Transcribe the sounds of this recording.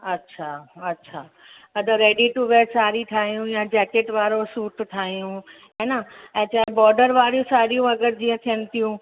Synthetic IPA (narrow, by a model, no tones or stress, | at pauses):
ɐtːʃʰaɐtːɕʰaː | ɐd̪əɾeːɖiʈuʋeːɾsaːɾiʈʰaːɦijũjad͡ʑɛːkeʈʋaːɾosuːʈʈʰaːɦijũɦeːnaɛ̃t͡ɕaːbɔːɾɖəɾʋaːɾijũsaːɾijũɐɡəɾd͡ʑĩːə̃t̪ʰijənɪ̆t̪ijũ